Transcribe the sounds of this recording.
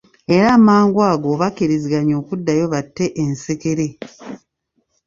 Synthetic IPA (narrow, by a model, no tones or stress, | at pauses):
eɾaːmaːŋɡwaːɡoːβakiɾiziɡaɲo̞ːkudːajo̞βatːe̞ʔenseke̞ɾe̞